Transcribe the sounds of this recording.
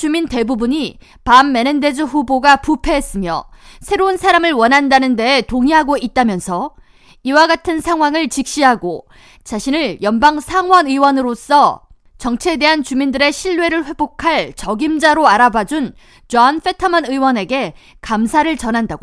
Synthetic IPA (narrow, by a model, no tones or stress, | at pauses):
t͡ɕuminte̞bubuɲi | pamːe̞nended͡ʑɯɸuboɡapupʰe̞ɦes͈ɯmjʌ̰ | sʰe̞ɾonsʰaɾamɯɭwʌnɦandanɯnde̞ːtoŋiɦaɡoit̚t͈amjʌnsʰʌ | iwaɡatʰɯnsʰaŋɦwaŋɯɭt͡ɕik̚ɕ͈iɦaɡo | t͡ɕaɕʰinɯɭjʌnbaŋsʰaŋwʌnɯwʌnɯɾos͈ʌ | t͡ɕʌŋt͡ɕʰeede̞ɦant͡ɕumindɯɾe̞ɕʰiɭːwe̞ɾɯɭɸwe̞bokʰaɭt͡ɕʌɡimd͡ʑaɾoaɾabad͡ʑun | t͡ɕʌnf͈ʰe̞tʰamʌnɯiwʌne̞ɡe̞ | kamsʰaɾɯɭt͡ɕʌnɦandaɡo